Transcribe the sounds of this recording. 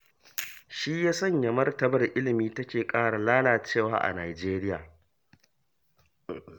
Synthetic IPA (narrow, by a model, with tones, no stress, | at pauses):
ʃi˦jaː˦sɐ˦˨ɲjɐ˨mɐ˦rtɐ˦bɐ˨rʔɪ˦lɪ˨miː˦tɐ˦kʲeː˨kʼaː˦ɽa˨laː˦laː˨t͡ʃeː˦˨waː˦ʔa̰˨naː˨d͡ʒeː˦ɾɪ˦ja̰ː˨